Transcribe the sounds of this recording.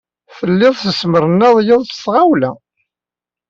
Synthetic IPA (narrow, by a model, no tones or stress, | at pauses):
θəlːɪðˤθəsməɾənːæðˤjɪðˤθə̥sʁawlæ